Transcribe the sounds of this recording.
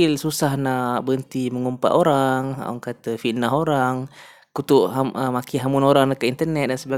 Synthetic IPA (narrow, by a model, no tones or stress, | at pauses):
ɪlsusahnabənt̪iməŋumpa̰ʔoɾaŋa̰ŋkat̪əfiʔnaɦoɾaŋ | kut̪ʊʔɦaəmakiɦamunoɾaŋnakəint̪ərnɛt̪̚dansəba